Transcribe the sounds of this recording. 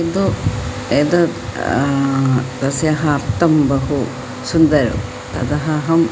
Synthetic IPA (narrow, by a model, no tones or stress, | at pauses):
ed̪u | ed̪ɐ | t̪ɐsjɐɦɐːɾt̪ɐmbɐɦu | sund̪ɐɾṵ | t̪ɐ̰d̪ɐɦɐɦɐm